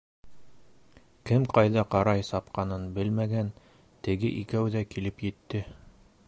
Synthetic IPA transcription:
kɘmqɑjðɑqɑɾɑjsɑpqɑnɤnbɘlmæɡæn | t̪ɘ̆ɡɘʔikæwðækilɘpjɘ̆t̪ːɘ

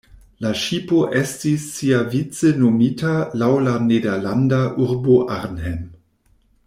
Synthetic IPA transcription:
laʃipoʔestisːiavit͡sənomitalawlanedelandaʔuɾboʔaʁnhem

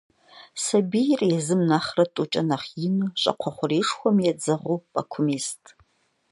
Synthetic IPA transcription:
sɐbijrjɛzɨmnaχrɐtʼut͡ʃʼɐnaχjɪnɨɕʼɐ̰qʷʰɔχʷʊreːʂxʷɔmjɛd͡zɐʁʷupʼakʷʰʊmistʰʼ

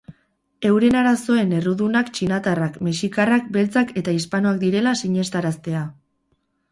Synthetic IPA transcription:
e̞wɾe̞naɾaso̞e̞ne̞ruðunakt͡ʃinat̪arakmeʃikarak̚be̞lt͡sake̞t̪aispanoak̚d̪iɾe̞lasiɲe̞st̪aɾast̪e̞a

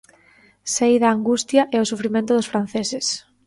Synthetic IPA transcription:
sejðɐːŋɡust̪jɐʔɛʊsufɾimẽnt̪ʊðʊsfɾan̟θesɪs

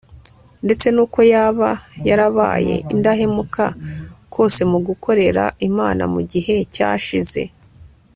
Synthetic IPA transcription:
nde̞t͡se̞nuːko̞jaːβajaɾaβa̰ːje̞̰ʔindaɦe̞mukʰakʰo̞ːse̞muɡukʰo̞ɾe̞ɾa̰imaːna̰muɟiɦe̞ca̰ʃize̞̰

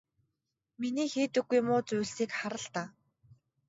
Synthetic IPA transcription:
miniːxiːt̪ɘ̆ɡːujmʊːt͡sujɮsiːkχaɾə̆ɬt̪aː

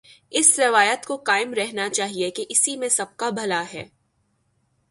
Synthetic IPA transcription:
ɪsɾɐʋaːjət̪kokaːɪmɾɛɦnat͡ʃaːɦiekeʔɪsimẽsɐb̚kabʱɐlaɦɛ̰ː

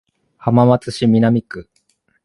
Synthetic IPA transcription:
hamamat͡sɨɕimʲinamʲikɯ

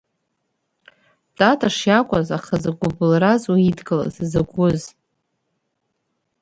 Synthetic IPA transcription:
tʼatʼaʂjakʷʼazaχazaɡʷʊbɨlrazaidɡʼɨla̰zzaɡʷʊz

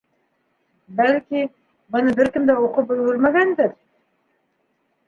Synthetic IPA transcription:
bælkʲi | bʊnəbɪɾkʲɪmd̪æwoqʊp̚ːɵlwɪɾmæɡʲænd̪ɪɾ

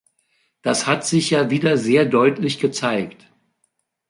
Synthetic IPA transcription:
d̥ashatz̥ɪçjaːviːdɐzeːɐdɔʏtʰlɪçɡ̥ət͡saɪkt

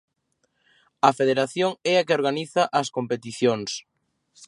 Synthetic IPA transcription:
ɐfeðeɾaθjoŋɛɐkeoɾɣaniθɐʔɐskompet̪iθjoŋs

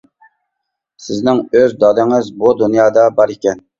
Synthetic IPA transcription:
sɪznɪŋøzd̪ɑd̪ɨŋɨzbud̪unjɑːd̪ɑbɑɾekʲɛn

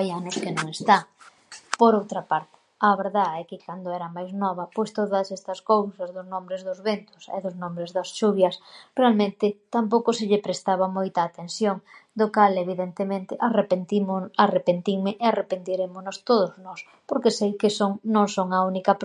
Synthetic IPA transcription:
ajanʊskenõŋest̪aŋ | poɾowt̪ɾɐpaɾt̪ɪ̥ | ɐβeɾðaɛkɪkand̪oɛɾɐmajznɔβ̞ɐpojst̪oðɐsɛst̪ɐskowsɐzðʊznõmbɾɪzðʊzβent̪ʊsḛðʊznõmbɾezðɐsʃuβjɐsrealmẽnt̪ɪt̪amp̬owkʊsɪʎɪpɾest̪aβɐmojt̪aːt̪ensjoŋd̪ʊkaleβiðent̪emẽnt̪ɪʔarepent̪imʊarepent̪iŋmɪʔearepent̪iɾemʊnʊst̪oðʊznɔs | poɾkesejkɪsoŋnõŋsoŋɐunikɐp

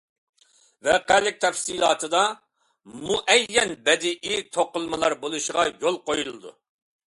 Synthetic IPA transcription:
vɛqælɪk̚ʲt̪ʰɛfsiːlˠɑ̰ːt̪ʰɨd̪ɑ | muʔɛjːɛnbɛd̪ɪʔɪt̪ʰoqəlˠmɨlˠɑɾbolˠuʃəʁɑjolˠqojulɨd̪ṵ

